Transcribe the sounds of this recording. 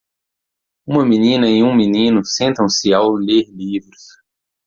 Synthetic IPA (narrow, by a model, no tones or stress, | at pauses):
ũmɐminĩnɐẽj̃ũminĩnʊsẽnt̪ɐ̃w̃sɪawleɾlivɾʊs